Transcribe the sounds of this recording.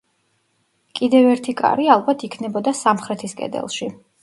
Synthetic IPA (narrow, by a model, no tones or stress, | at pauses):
kʼid̪ɛvɛɾt̪ʰikʼa̰ɾialˠbat̪ʰikʰnɛbɔd̪asamχɾɛt̪ʰiskʼɛ̰d̪ɛ̰lˠʃi